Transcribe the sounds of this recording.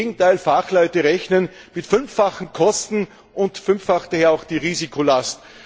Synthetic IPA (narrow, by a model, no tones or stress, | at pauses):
eːɡŋ̩tʰaɪlfaχlɔʏtəʁɛçnən | mɪtfʏnfːaχn̩kʰɔstn̩ | ʔʊntfʏnfːaχd̥aheːɐaʊxd̥iːʁiːzikʰolast